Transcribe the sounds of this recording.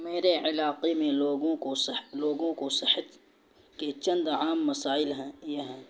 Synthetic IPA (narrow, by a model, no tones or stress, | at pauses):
meːɾeʕɪlaːqemẽloːɡõkosloːɡõkosɪhət̪ | ket͡ʃɐ̃nd̪aːmːɐsaːɪlɦɛ̃jeɦɛ̃ː